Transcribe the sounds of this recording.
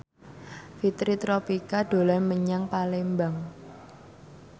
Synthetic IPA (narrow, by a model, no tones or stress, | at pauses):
fit̪ɾit̪ɾopikaɖ̥o̤lanməɲaŋpalembaŋ